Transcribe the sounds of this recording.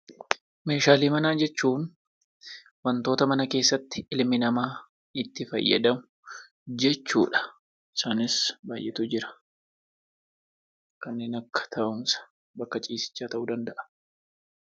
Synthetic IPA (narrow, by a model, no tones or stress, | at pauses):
me̞ːʃaːliːmɐnaːd͡ʒɛt͡ʃːuːn | wɐnt̪oːt̪ɐmɐnɐke̞ːsːɐt̪ːɪɪlmɪnɐmaː | ɪt̪ːɪfɐ̰jːɐ̰d̪ɐmʊ | d͡ʒɛt͡ʃːṵːᶑɐ̥ | ɪsaːnɪsbaːjʔːɛt̪uːd͡ʒɪɾɐ̥ | kɐnːe̞ːnɐkːɐ̥t̪ʰɐʔʊmsɐ̥ | bɐkːɐt͡ʃʼiːsɪ̥t͡ʃːaːt̪ɐʔuːd̪ɐnd̪ɐʔɐ̥